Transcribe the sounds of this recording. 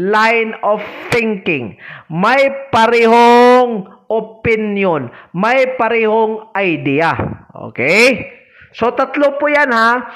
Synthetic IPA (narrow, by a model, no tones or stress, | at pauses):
lajnovθɪŋkɪŋmɐjpɐɾɛɦoŋ | ʔopɪnjonmɐjpɐɾɛːhoŋʔɐjd̪iːaʔo̰ːkɛj | sot̪ɐt̪lopʊjanha